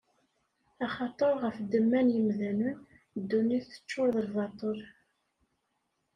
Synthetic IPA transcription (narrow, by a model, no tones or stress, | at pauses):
ɑχɑt̪ˤəɾˤʁəfd̪əmːænjəmðænən | d̪ːuniθə̥t͡ʃːʊɾðəlvɑt̪ˤəɾ